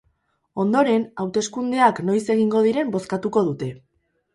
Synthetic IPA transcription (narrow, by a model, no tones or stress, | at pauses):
o̞nd̪o̞ɾe̞nawt̪e̞skund̪e̞akno̞jse̞ɣ̞iŋɡo̞ð̞iɾe̞mbo̞skat̪uko̞ð̞ut̪e̞